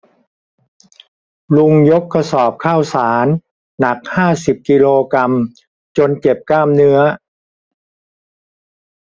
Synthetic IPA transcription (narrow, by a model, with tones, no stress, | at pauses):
lu˧ŋjo˦˥kʰːa˧sɔː˨˩p̚kʰaː˥˩wsaː˩˦nː | a˨˩k̚haː˥˩si˨˩p̚ki˧loː˧kɾa˧m | t͡ɕo˧nt͡ɕe˨˩p̚kaː˥˩mnɯ˦˥ɐ